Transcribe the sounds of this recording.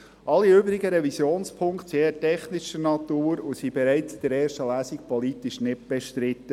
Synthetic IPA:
ʔɑlːiøbɾɪɡəɾɛvisjoːnspʰʊŋktsitɛχnɪʃənɑt̪uːɾosibɛɾæɪt͡sd̥ɛɾɛːɾʃtəlæːsik̚pʰɔlit̪ɪʃnɪtb̥ɛʃtɾɪt̪ːə

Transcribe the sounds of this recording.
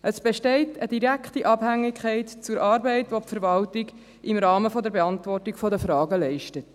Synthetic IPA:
ʔəsb̥ɛʃtɛɪtʰəd̥iɾækχtiʔɑb̥hæŋːɪkʰχɛɪtt͡suɾʔɑːɾbɛɪtʋopfəɾʋɑltɪɡ | ɪmɾɑːməfɔdəɾbeɑntvɔrtiɡ̥fɔdəfɾɑːɡəlɛɪʃtət

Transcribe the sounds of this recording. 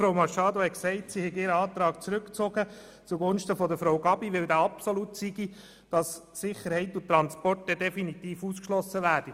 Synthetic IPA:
fɾoʊmɑʃɑːd̪ohɛksɛɪtsihɛɡɪɾəɑːt̪ɾɑːkt͡sɾʏkt͡sɔɡə | t͡suɡʊnʃtəfɔd̪əfɾoʊɡɑbiʋɪld̪æːɑpsɔlutsiɡi | d̥ɑssɪχəɾhɛɪtʊtːɾɑnspɔrt̚ːɛd̥̪ɛfinit̪iːfuskʃlɔsəʋæːɾd̥i

